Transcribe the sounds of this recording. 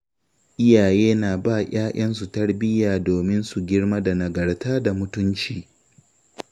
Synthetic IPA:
ʔɪ˦jaː˨jeː˦naː˨baː˦˨ʔaː˦ʔɐ˦nsu˨tɐ˦rbɪ˦jaː˨doː˨mɪ˦nsu˨ɡʲɪ˦ɽma˦da˨nɐ˨ɡɐ˨ɽtaː˦da˨mʊ˦tʊ˦nt͡ʃiː˨

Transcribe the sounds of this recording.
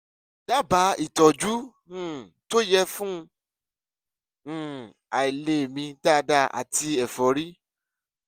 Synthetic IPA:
da˦ba˨˦i˦˨tɔ˨d͡ʒu˦ | ũ˦˨to˦jɛ˧fũ˦˧˦ | a˨i˨le˨mĩ˧da˦˨˧da˧˨a̰˨ti˧ɛ˨fɔ˨ɾi˦

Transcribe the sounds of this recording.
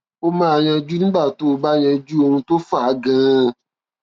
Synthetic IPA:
o˦mãː˦˨jɛ˧d͡ʒu˦nũ˦ɡ͡ba˦˨to˦˨˦ba˦jɛ˧d͡ʒu˦o˧nũ˧to˦fa˦˨a˨˦ɡã˦

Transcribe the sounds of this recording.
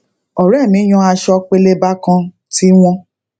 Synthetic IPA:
ɔ˨ɾɛ˦˨mĩ˨˦j̃ɔ̃˧˦a˧ʃɔ˧k͡pe˧le˦ba˦kã˧ | ti˦w̃ɔ̃˧

